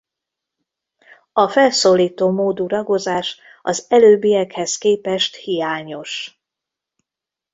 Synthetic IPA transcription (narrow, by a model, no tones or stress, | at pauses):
ɒfɛlsoːliːt̪oːmoːd̪uɾɒɡo̞zaːʃ | ɒzɛløːbijɛkhɛskeːpɛʃt̪hijaːɲo̞ʃ